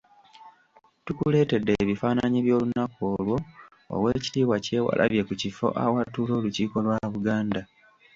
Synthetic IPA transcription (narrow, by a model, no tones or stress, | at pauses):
tukule̞ːte̞dːeːβifaːnaɲiβjo̞ːlunakoːlwo̞ | o̰we̞ːci̥tiːβwace̞ːwa̰lʔa̰βje̞kucifo̞̰ʔa̰watulo̞ːluciːko̞lwaβuɡaːnda